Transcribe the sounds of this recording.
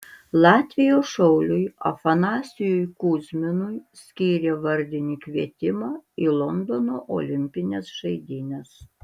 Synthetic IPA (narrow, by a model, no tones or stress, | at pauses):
lˠɑːt̪ʲʋʲɪjoːʃɔʊlʲʊjɐ̰fɐnɑːsʲɪjʊjkuːzʲmʲɪnʊjsʲkʲiːɾʲeːʋɐɾʲd̪ʲɪnʲiːkʲʋʲiɛt̪ʲɪmɑːiːlˠɔnd̪onoːʔo̰ːlʲɪmʲpʲɪnʲɛsʒɐɪd̪ʲinʲɛs